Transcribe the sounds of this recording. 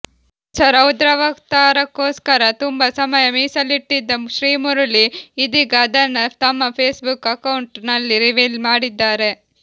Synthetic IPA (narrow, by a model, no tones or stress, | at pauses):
t͡ʃɐɾɐwud̪ɾɐʋɐkt̪aːɾɐkːoːskɐɾɐt̪umbɐsɐmɐjɐmiːsɐlːiʈːid̪ːɐʃɾiːmuɾɐliːd̪iɡɐːd̪ɐnːɐt̪ɐmːɐpʰeːsbukɐkɐwɳʈnɐlːiɾiʋilmaːɽid̪ːaːɾe̞